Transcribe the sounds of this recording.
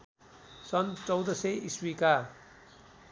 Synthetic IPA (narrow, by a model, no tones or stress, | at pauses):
sʌnt͡sʌwd̪ʌseiswika